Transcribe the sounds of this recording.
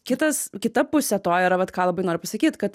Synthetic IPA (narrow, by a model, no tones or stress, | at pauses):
kʲɪt̪ɐskʲɪt̪ɐpʊsʲɛt̪oːjiɾɐʋɐt̪kɑːlˠɐbɐɪnoːɾʲɪpɐsɐkʲiːt̪kɐt̪